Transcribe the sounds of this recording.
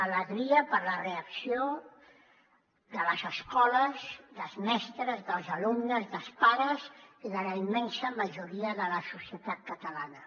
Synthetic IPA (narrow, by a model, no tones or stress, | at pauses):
ələɣɾiəpəɾləreəksio | ðələzəskɔləzðəlˠzmɛst̪ɾəzðəlˠzəlumnəzðəlˠspaɾəziðələimɛnsəməʒuɾiəðələsusiət̪at̪̚kət̪əlanə